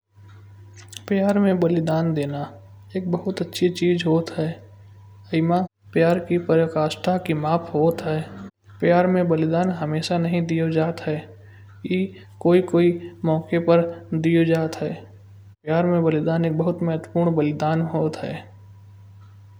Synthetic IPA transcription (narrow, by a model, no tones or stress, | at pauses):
pjaːɾmẽbəlɪd̪aːnd̪eːna | eːk̚bəɦʊt̪ətːʃʰit͡ʃiːzɦoːt̪ɦɛː | əɪma | pjaːɾkipəɾəkaːsʈʰakimaːpʰɦoːt̪ɦɛː | pjaːɾmẽbəlɪd̪aːnɦəmeːʃanɐɦĩd̪ijod͡ʒaːt̪ɦɛː | jiː | koːikoːimɔːkepəɾd̪iːod͡ʒaːt̪ɦɛː | pjaːɾmẽbəlɪd̪aːneːk̚bəɦʊt̪mɛɦət̪wəpuːɾɳbəlɪd̪aːnɦoːt̪ɦɛ̰ː